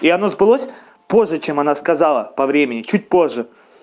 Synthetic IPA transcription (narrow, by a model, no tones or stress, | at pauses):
iɐno̞zbɨlˠosʲ | po̞ʐːɨt͡ɕemɐnaskɐzalˠəpɐvɾʲemʲɪnʲɪt͡ɕut̚ʲpo̞ʐːə